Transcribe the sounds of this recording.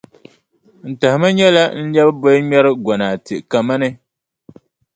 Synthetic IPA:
n̩˨ta˨hɪ˨ma˦ɲɛ˦la˦n̩˦lɛ˦bbo˦ɲɛ˦ɾɨ˦ɡɔ˨naː˨tɨ˨ʔka˨ma˦nɨ˦

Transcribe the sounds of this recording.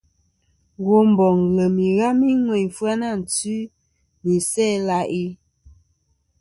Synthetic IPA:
ɣo˦m̩˨bɔ˨ŋlə˨mi˨ɣa˦mi˦ŋwe˨ɲ˨fwa˦na˦˨n̩˨t͡sʉ˦ | bi˨sɛ˦˨la˦ʔi˦

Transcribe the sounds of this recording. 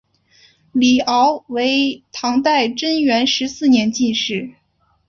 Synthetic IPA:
li˨˩ʔɑ˧˥ʊwe˧˥ɪt̪ʰɑ˧˥ŋt̪a˥˩ɪʈ͡ʂə˥ŋɥɛ˧˥nʂɻ̩˧˥sɹ̩˥˩njɛ˧˥nt͡ɕi˥˧nʂɻ̩˥˩

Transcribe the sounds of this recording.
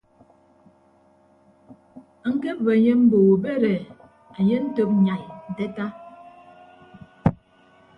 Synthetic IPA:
a˨ŋ̩˦ke˦p̚və˨ɲe˦m̩˦bo˨bɛ˦ɾɛ˨ | a˨ɲe˦n̩˦to˦p̚ɲa˨jn̩˨de˦ta˦

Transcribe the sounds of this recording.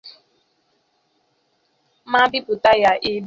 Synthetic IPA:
ma˦bɪ˦pʊ˨ta˦ja˦ʔi˦b

